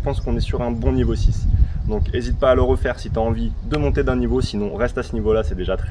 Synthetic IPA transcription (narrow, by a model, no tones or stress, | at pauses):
pɑ̃skɔ̃nɛsyʁɛ̃bɔ̃nivosisd̪ɔ̃kezit̪̚paːləʁəfɛʁsit̪yaɑ̃vid̪əmɔ̃t̪ed̪ɛ̃nivosinɔ̃ʁɛst̪asənivolasɛd̪eʒat̪χɛ